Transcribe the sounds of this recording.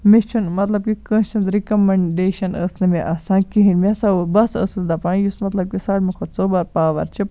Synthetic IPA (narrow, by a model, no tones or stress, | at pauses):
mit͡ʃʰunmɐt̪lɐb̚kikə̃ːnʃɐnzɾikɐmɐɳɖeːʃɐnəːsnɨmiʔɐsãːnkiɦinmiɐsaubɐsə̰ːsɨzd̪apãːjusmɐt̪lɐb̚kʲisaːɽmikʰot͡soːbaːɾpaːʋɐ̰ɾt͡ʃʰi